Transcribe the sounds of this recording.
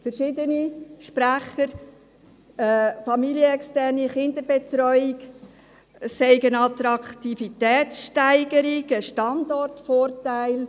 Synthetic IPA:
fəɾʃɪdəniʃpɾæχəɾ | fɑmiljəɛkstɛrniχɪndəbɛt̪ɾɔʏɪk | sɛɪɡənɑt̪ɾɑkχt̪ifitɛːtsʃtæɪɡəɾiɡəʃtɑndɔrtfoːɾtæɪl

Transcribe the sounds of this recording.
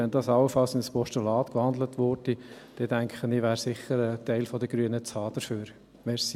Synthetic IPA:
ɛndɑːsɑwəfɑlsɪnspɔʃtulɑːtkʋɑnd̪lətʋʊɾd̥id̥ɛdæŋkχəniːʋæːɾsɪχːəɾətæɪlfɔdəɡ̥ɾyənət͡sɑːd̥əfyːɾ | mɛɾsi

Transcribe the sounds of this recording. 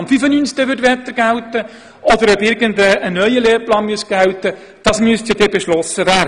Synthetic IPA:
ɑmfyfənyːnsk̚təʋʏɾtʋɛt̪ːəɾɡ̥æwtə | ɔd̪əɾœbɪɾɡəndəːnœʏəleːɾplɑːnmyəsɡ̥æwtə | d̥ɑːsmyəst̪jɑd̥ɛːbeʃlɔsəvæː

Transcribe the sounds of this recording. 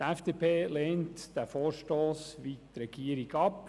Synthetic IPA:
tɛfd̥eːpʰeːleːntd̥æfoːrʃtoːsʋiːt̪ɾɛɡ̥iːəɾiɡɑp

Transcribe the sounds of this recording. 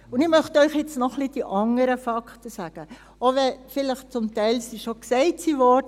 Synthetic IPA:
ʊnɪχmœχtœʏχjɛt͡snɔχlid̥iʔɑŋəɾəfɑktəsæːɡ̥ə | oʋɛfɪləχt͡sʊmtɛɪlsiʃoksɛɪtsivɔrd

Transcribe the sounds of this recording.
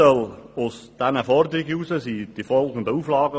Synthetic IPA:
əlʊsd̥ɛnəfɔrd̪əɾɪɡəuːsəsid̥ifɔlˠɡən̩d̪əuːflɑːɡə

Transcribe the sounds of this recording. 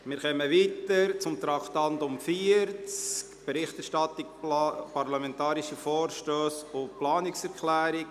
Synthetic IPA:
mɪːɾχɛməʋitəɾt͡sʊmt̪ɾɑχt̪ɑndʊmfiəɾt͡skb̥eɾɪχt̪ɛɾʃtɑt̪ɪkpɑɾlɑmɛnt̪ɑːɾiʃəfɔːɾʃtøːsʊplɑːnɪksɛɾkχlæːɾɪk

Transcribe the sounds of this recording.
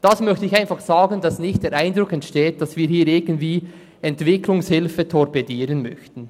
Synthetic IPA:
d̥ɑsmœçtɛɪçaɪnfɑχsɑːɡəndɑsnɪçt̚d̥eːɾʔaɪndɾʊkɛntʃteːt̚d̥ɑsv̥iːhiːɾɪɡəntviː | ɛntv̥ɪkʰlʊŋshɪlfətʰɔɾpɛdiːɾənmœ̰çtn̩

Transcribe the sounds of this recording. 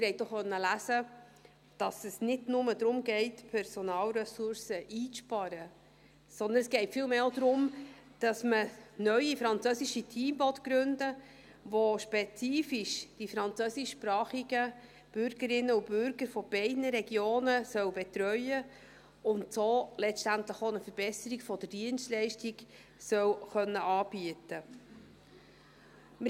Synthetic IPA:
ɪɾhɛɪt̚dɔχχœnːəlæsə | d̥ɑsəsnɪdnʊməd̪ɾʊmɡɛɪtpʰɛɾsonɑːlɾɛsʊɾsəʔiːt͡sʃpɑɾə | sɔnd̪ənɛsɡ̥ɛɪtfiːlmeːodɾʊm | d̥ɑsmənœʏifɾɑnt͡søsiʃitʰiːmbɔtɡ̥ɾʉndə | ʋoʃpɛt͡siːfiʃd̥ifɾɑnt͡søsiʃpɾɑːχiɡə | b̥ʏɾɡ̥əɾɪnːəʊb̥ʏɾɡəɾfɔb̥ɛɪdnəɾɛɡjoːnəsœwbɛt̪ɾœʏə | ʊntsoːlɛt͡sʃtæntləχoːnəfəɾb̥ɛsəɾiɡfɔd̥əd̥iənstlɛɪʃtiɡ | sœwχœnːəʔɑːb̥iətə | mə

